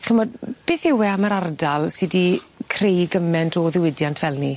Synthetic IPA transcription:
χəmɔdb̥ɪːθɪwɛaməɾardalˠsɨdikʰrejɡəmɛntʰɔðɪwɪdjantʰvɛlˠni

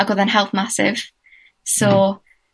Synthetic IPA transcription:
aɡoðanɦɛlˠθmasɪ̰v̥ | sɔː

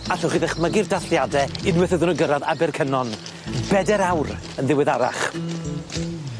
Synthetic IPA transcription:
aɬɔχiːðɛχməɡɪrdaɬjadɛɪnwɛθəðɨnuɡəɾaðabɛrkʰənɔn | bɛdɛɾawr | ənðɪwɪðaɾa̰χ

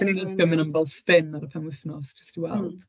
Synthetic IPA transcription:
nidəθɡəmɪ̃nəmbɛlˠspɪnaɾəpʰɛmwɪfnɔsd͡ʒə̥stiwɛlˠ

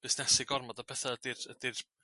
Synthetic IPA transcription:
b̥ɪsnɛsɪɡɔrmɔdapʰɛθaədɪrəd̥ɪr

